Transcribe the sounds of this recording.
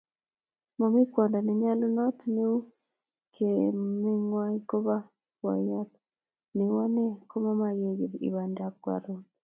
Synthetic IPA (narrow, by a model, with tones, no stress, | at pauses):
mo˨mi˦kwa˨nda˨nɛ˨ɲa˦lo˦nɔ˦tne˦u˦ | kʰe˨me˦ŋwaiko˦βa˦ | wa̰˨ja˦t | ne˨wa˦ne˦ko˦ma˦ma˨je˦ɣe˨βḭ˨βa˨nda˨kwa̰˨ɾo